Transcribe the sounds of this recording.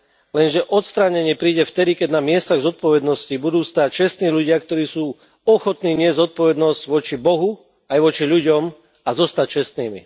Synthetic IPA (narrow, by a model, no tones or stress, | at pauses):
lɛnʒɛʔɔt̪st̪ɾaːɲɛɲɪɛpɾiːɟɛft̪ɛd̪ikɛɟnamɪɛst̪aɣzɔt̪̚pɔʋɛd̪nɔscibud̪uːst̪aːc̚t͡ʃɛst̪niːʎuɟɪakt̪ɔɾiːsuː | ɔxɔt̪niːɲɪɛzzɔt̪̚pɔʋɛd̪nɔzɟʋɔt͡ʃibɔɦu | ajʋɔt͡ʃiʎuɟɔm | azɔst̪ac̚t͡ʃɛst̪niːmḭ